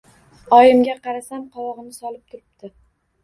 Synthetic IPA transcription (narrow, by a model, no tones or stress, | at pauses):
ɒjɪmɡʲaqɑɾasamqʰɒwɒʁɨnɪsɒlˠɪp̚t̪ʰʊɾɪpt̪ɪ